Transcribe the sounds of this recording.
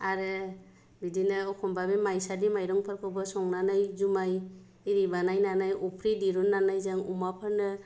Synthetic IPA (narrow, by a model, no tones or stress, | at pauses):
aɾɯ | bidinɯɔkʰɔmbabemajsadimajɾɔŋpʰaɾkʰɔwbɔsɔŋnanajzumaj | iɾibanajnanajupʰɾidiɾunːanajzaŋumapʰaɾnɯ